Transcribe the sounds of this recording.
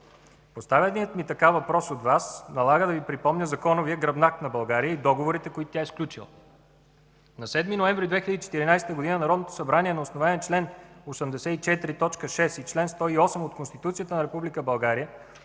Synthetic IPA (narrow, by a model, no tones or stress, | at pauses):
post̪avʲət̪ijət̪mit̪ɐkavɐpɾɔsod̪vasnɐlˠaɡəd̪ɐvipɾipɔmnʲəzɐkɔnʊviəɡɾɐbnak̪nɐbɐlˠɡaɾijəid̪ɔɡovoɾit̪ɛkoit̪ʊ̥t̪ʲaɛsklʲut͡ʃḭlˠ | nɐsɛd̪minoɛɱvɾid̪vɛxilʲəd̪it͡ʃɛ̥t̪iɾinajsɛ̥t̪əɡod̪inənɐɾɔd̪not̪o̥sɐbɾaniɛnɐosnovaniɛt͡ʃlɛnosəmd̪ɛsɛit͡ʃɛt̪ɾit̪ɔt͡ʃkəʃɛsit͡ʃlɛnst̪ɔiɔsɛmot̪konst̪it̪ut̪sijət̪ənɐɾɛpublikəbɐlˠɡaɾijə